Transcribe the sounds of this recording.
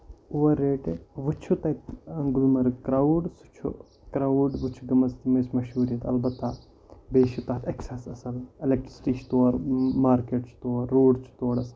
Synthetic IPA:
uʋɐɾːeːʈʋut͡ʃʰut̪ɐit̪ɐŋɡulmɐɾkɾawɖsu̥t͡ʃʰṵ | kɾawɖʋut͡ʃʰuɡɐmɐst̪imeːsmɐʃɦuːɾijɐt̪ɐ̰lbɐt̪ːa | beːʃut̪ɐːt̪ɐksesɐsɐlelek̚ʈɾi̥si̥ʈiːt͡ʃʰt̪oːɾmaːɾkeːʈsʰt̪oːɾːoːɖt͡ʃʰu̥t̪oːɽɐsɐl

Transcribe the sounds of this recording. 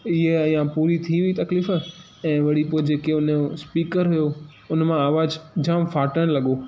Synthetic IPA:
ɪɦejãpuːɾit̪ʰiʋiit̪ɐkliːf | ɛ̃ːʋɐɽipoːd͡ʑeːkeʊnospiːkəɾɦʊjo | ʊnmãaːʋaːd͡ʑd͡ʑaːmfaːʈəɽ̃lɐɠoː

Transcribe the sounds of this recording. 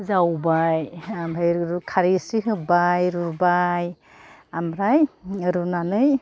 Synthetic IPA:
zawbajamɾajɾɾukʰaɾisiɦɯbajɾubaj | amɾajɯɾunanɯj

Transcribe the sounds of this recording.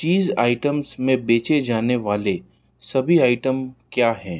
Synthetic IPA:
t͡ʃiːzaːɪʈəmsmẽbeːt͡ʃed͡ʒaːneʋaːle | sɐbʱiaːɪʈəmkjaːɦɛ̃ː

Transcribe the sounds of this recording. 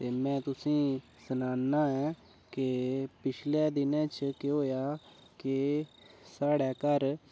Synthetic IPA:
t̪eːmɛ̃ːt̪ʊsĩː | sənaːnːaːɛː | kɪpɪt͡ʃʰlɛːd̪ɪnɛ̃ːt͡ʃəkeɦoːjaː | kɪ | saːɽɛːkəɾ

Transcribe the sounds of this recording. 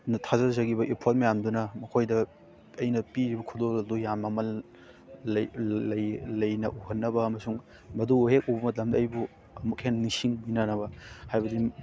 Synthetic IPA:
nɐtʰazɐzɐɡibɐʔipʰolmɐjamdunɐmɐkʰojdɐː | jnɐpiɾibɐkʰudolɐdujamɐmɐ | lɐjlɐjnɐʔuhɐnːɐbɐɐmɐsuŋ | mɐduhek̚ubɐmɐt̬ɐmdɐɐjbu | ɐmukhennisiŋminanɐβɐhajbɐdi

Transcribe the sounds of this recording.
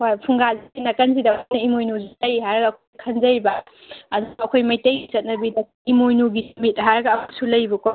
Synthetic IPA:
wapʰuŋɡazinɐkɐnsidajnɐimojnuzajɦajɾɐɡɐːkʰojkʰɐnzɐjbɐ | ɐd̪ɐkʰojmɐjtɐjɡit͡ʃɐt̚nɐbidɐ | imojnuɡimit̚ɦajɾɐɡɐːmak̚sulɐjbɐkɔ

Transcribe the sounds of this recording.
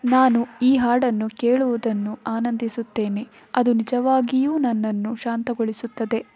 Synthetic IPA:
naːnuiːɦaːɽɐnːukeːɭuʋud̪ɐnːuaːnɐnd̪isut̪ːe̞ːne̞ | ɐd̪unid͡ʒɐʋaːɡijuːnɐnːɐnːuʃaːnt̪ɐɡoɭisut̪ːɐd̪e̞

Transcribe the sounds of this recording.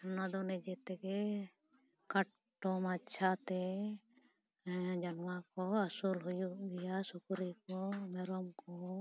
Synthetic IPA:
nad̪ɔnɛd͡ʒɛt̪ɛkɛ | kaʈ | ʈːɔmatːt͡ʃʰat̪ɛ | d͡ʒanmakɔasulɦujud̪ijasukɾikɔmɛɾɔmkɔ

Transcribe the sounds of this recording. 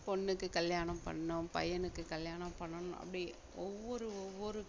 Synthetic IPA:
pɔɳːɯkːɯkɐljaːnɐmpɐ̰ɳːʊ̃mpɐ̰jɐnɯkːɯkɐljaːnɐmpɐɳːɐnʊ̃ʔɐ̰pːɐɽi | ɔʋːɔɾɯɔʋːɔɾɯ

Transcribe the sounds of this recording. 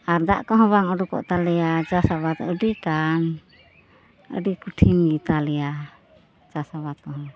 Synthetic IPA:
aɾd̪aʔkɔɦɔ̃baŋəɖukɔ̰ʔt̪alɛjad͡ʒasabat̪əɖiʈan | ə̰ɖikuʈʰimɡit̪alɛja | d͡ʒasabat̪̚kɔɦɔ̃

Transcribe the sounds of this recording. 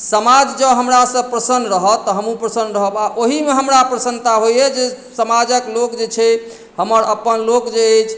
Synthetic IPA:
səmad͡ʒd͡ʒəbɦəmɾasə̃pɾəsənɾəɦət̪ːɔɦəmupɾəsənɾəɦəbaʔoɦimeɦəmɾapɾəsənt̪aɦojed͡ʒe | səmad͡ʒəklokd͡ʒet͡ʃʰɛ | həməɾəpːənlokd͡ʒeet͡ʃʰ

